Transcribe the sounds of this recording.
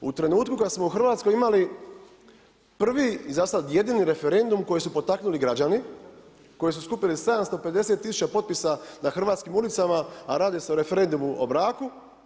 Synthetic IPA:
ṵt̪ɾe̞nuːt̪kukad̪smouxr̩ʋaːt̪sko̞jimali | pr̩ʋiizasaje̞d̪iːniɾe̞fe̞ɾe̞nd̪umko̞jesupo̞t̪aknuliɡɾad͡ʑani | ko̞jesuskupilise̞d̪amst̪o̞pe̞d̪e̞set̪ːisu̥t͡ɕapo̞t̪pisanaxr̩ʋaːt̪skimulit̪samaaɾaːd̪iseoɾe̞fe̞ɾe̞nd̪umuo̰bɾaːku

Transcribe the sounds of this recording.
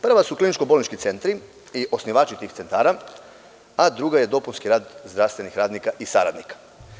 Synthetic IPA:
pr̩ʋasuklinit͡ʃko̞bo̞lnit͡ʃkit̪se̞nt̪ɾi | iʔo̞sniʋaːt͡ʃit̪iːxse̞nt̪aːɾa | ad̪ɾuɡaje̞d̪o̞punskiɾaːd̪zd̪ɾaʋst̪ʋe̞nixɾaːd̪nikaʔisaɾa̰d̪nikḁ

